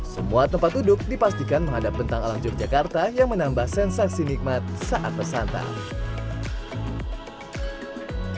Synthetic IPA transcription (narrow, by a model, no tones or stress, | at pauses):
səmuat̪əmpat̪̚dudʊk̚dipast̪ikanməŋɦadapːənt̪aŋalamt͡ʃurd͡ʒakart̪ajaŋmənambahsɛnsaksinik̚mat̪̚saʔat̪̚bərsant̪a̰